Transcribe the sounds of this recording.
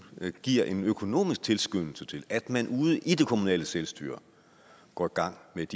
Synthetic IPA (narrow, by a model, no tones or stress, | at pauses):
ɡ̥iɐ̰ʔe̝nøkʰo̝no̝̰ːmisɡ̥̚t͡sʰe̝lsɡ̥ønl̩sət͡sʰe̝læd̥mænʔuːð̞̩ˠəʔid̥e̝kʰo̝munɛ̰ːləselsd̥y̰ːɐ | ɡ̥ɒ̰ːiɡ̥ɑ̈ŋ̰med̥i